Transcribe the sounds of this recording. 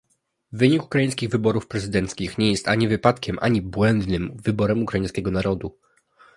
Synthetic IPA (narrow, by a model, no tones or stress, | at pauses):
vɘɲiku̥kɾajĩskʲiɣvɘbɔɾufpɾɛzɘd̪ɛnt̪skʲixɲɛjɛst̪aɲivɘpat̪kʲɛmʔa̰ɲibwɛnd̪nɘmvɘbɔɾɛmukɾajĩskʲɛɡɔnaɾɔd̪u